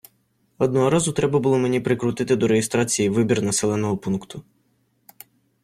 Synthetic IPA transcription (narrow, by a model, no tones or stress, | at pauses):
ɔd̪nɔɦɔɾɑzʊt̪ɾɛbɐbʊlˠɔme̞nʲipɾɪkɾʊt̪ɪt̪ɪd̪ɔɾejɪst̪ɾɑt͡sʲijiʋɪbʲirnɐsɛlˠɛnɔɦɔpunkt̪ʰʊ